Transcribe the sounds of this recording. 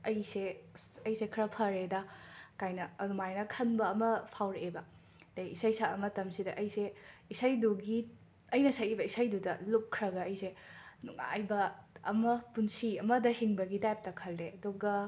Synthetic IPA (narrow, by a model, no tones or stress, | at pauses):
ɐjseɐjsekʰɐɾɐpʰɐɾedɐkajnɐɐdumajnɐkʰɐnbɐːmɐpʰawɾeʔebɐ | d̥ejisɐjsaɐmɐtɐmsidɐʔɐjseisajduɡi | ɐjnɐsajibɐisajdudɐlukkʰːɾɐɡɐːjsenuŋa̰jbɐɐ̰mɐpunsiɐmɐdɐhiŋbɐɡidajp̚tɐkʰɐlːeɐduɡɐ